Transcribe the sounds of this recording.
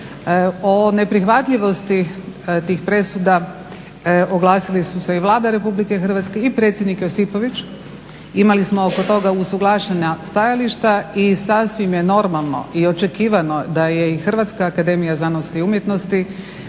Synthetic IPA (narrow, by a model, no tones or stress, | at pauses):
o̞ne̞pɾixʋat̪ʎiʋo̞st̪it̪iːxpɾe̞sud̪a | oɡlˠaːsilisuse̞iʋlˠaːd̪aɾe̞publikexr̩ʋat̪ske̞ipɾe̞t̪sjed̪nikjosipo̞ʋit͡ʃ | imalismo̞okot̪o̞ɡausuɡlˠaʃeɲast̪ajaliʃt̪aisasʋimje̞no̞ɾmalˠno̞̰ʔio̞t͡ʃe̞kiːʋano̞d̪aje̞ixr̩ʋat̪skaːkad̪e̞mijazanost̪iumje̞t̪no̞st̪i